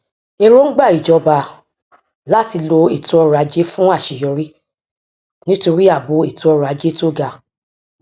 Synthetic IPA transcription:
e˧ɾo˦ŋ̩˦ɡ͡ba˦˨i˨d͡ʒɔ˧ba˧˨ | la˦ti˧lo˧e˨tu˧˦ɔ˧ɾa˨˦d͡ʒe˦fũ˦a˦˨ʃi˨jɔ˧ɾi˦ | nĩ˦to˧ɾi˦a˦˨bo˨˦e˦˨tu˨˦ɔ˧ɾa˨˦d͡ʒe˦to˦ɡa˧

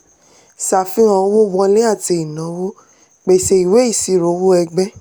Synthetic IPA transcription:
sa˨fĩ˦ã˧˦wo˦wɔ˧nĩ˦a˦˨ti˧˨i˨nã˨˦wo˦ | k͡pe˨ʃe˧i˨we˨˦i˦˨si˨˦ɾo˨˦wo˦ɛ˧ɡ͡bɛ˦

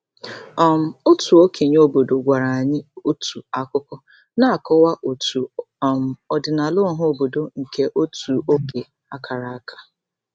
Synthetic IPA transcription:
ɔ˨m̩˨o˦tu˨o˦kʰe˨ɲ˦o˦bo˨do˨ɡʷa˨ɾa˨a˨ɲɪ˦o˦tu˨a˨kʊ˦kɔ˦ | na˦a˨kɔ˦wa˦ʔo˨tu˨ | m̩˨ɔ˨dɪ˨na˨lʊ˦ɔ˨ɦʊ˦o˦˨bo˨do˨ŋ̩˨ke˦ʔo˦tu˨ʔo˦kʰe˨ | a˦kʰa˨ɾa˨a˨kʰḁ˨

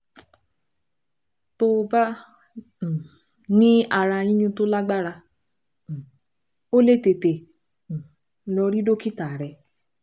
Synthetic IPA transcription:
to˧ba˦˨ | nĩ˦a˨ɾa˧jĩ˦ɲũ˧to˦la˦ɡ͡ba˦˨ɾa˧˨ | o˦le˦˨te˨te˨ | lɔ˧ɾi˦do˦ki˦ta˨ɾɛ˧

